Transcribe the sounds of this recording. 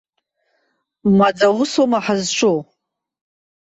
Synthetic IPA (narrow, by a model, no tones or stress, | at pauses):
mad͡zawʊsomaħazʈ͡ʂʷʰʼo